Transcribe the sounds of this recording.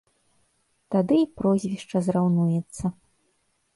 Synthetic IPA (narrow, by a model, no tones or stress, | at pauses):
t̪ad̪ɨipɾɔzʲvʲiʂt͡ʂɐzɾawnujɛt̪sːɐ